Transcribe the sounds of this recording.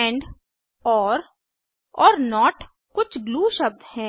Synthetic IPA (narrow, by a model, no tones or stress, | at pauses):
ɛ̃ːɳɖ | ɔːɾ | ɔːɾnɔːʈ | kʊt͡ʃʰɡluːʃɐb̚d̪hɛ̃ː